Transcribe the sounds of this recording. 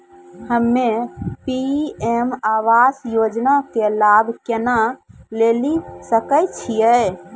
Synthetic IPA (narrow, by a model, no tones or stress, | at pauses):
həmːepiemaʋasjod͡ʒnakelabʱkenalelisəkəjt͡ʃʰijɛ